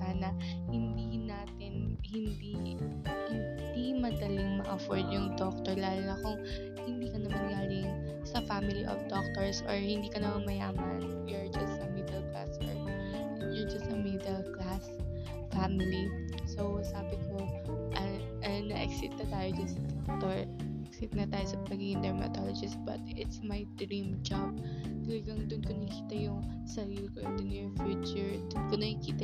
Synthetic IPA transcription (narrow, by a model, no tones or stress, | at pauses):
saːnɐhɪnd̪inaːt̪ɪnhɪnd̪i | hɪn | d̪imɐd̪ɐlɪŋmɐʔɐfoɹd̪jʊŋd̪ok̚t̪ɔɹlaːloŋɐkʊŋ | hɪnd̪iːkɐnɐmɐnɡaːlɪŋ | sɐfamɪliʔɔ̰fd̪ok̚t̪ɔɹsʔɔɹhɪnd̪iːkɐnɐmɐnmɐja̰ːmɐn | jɛɹd͡ʒɐsɐmid̪ɛlkla̰sɛ̰ | jɛd͡ʒɐsɐmid̪ɛlklas | famɪli | sowsaːbɪkoʔɐ | ɐnɐʔɛ̰ksɪt̪̚nɐt̪aːjod͡ʒɐnsɐt̪ɛt̪oɹʔɛksɪt̪̚nɐt̪aːjosɐpɐɡiɡɪnd̪ɛɹmɐ̰t̪ɔlɐd͡ʒɪst̪̚bɐ̰t̪ʔɪt̪smɐjd̪ɾĩmd͡ʒab̚t̪ɐlɐɡɐŋd̪ʊnkonɐkiːt̪ɐjʊŋ | sɐɾiːlɪkojʊnd̪ʊnjʊfjuːt͡ʃʊɹd̪ʊnkonɐkiːt̪ɐ